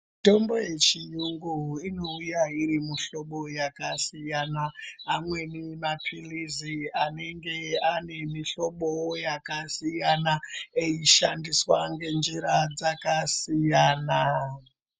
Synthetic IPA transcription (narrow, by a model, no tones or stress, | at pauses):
to̞mbo̞je̞t͡ʃijuŋɡuino̞ujairimuɬo̞ɓo̞jakasijanaːmwe̞nemapʰiliziane̞ŋɡe̞ane̞miɬo̞ɓojakasijanaeiʃandiswaŋɡe̞nd͡ʒiɾad͡zakasijaːna